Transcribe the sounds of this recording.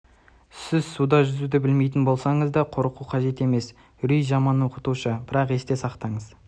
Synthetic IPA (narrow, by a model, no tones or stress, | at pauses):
sɪzsud̪ɑʒʏzud̪ɪbɪlme̞jt̪̬ɪnbo̞lˠsɑɴəzd̪ɑqʰo̞ɾəquqʰɑʒe̞t̪e̞me̞s | ɾyjʒɑmɑnːəqʰʊ̥t̪uʃəbɪɾɑqe̞st̪e̞sɑqt̪ɑɴəz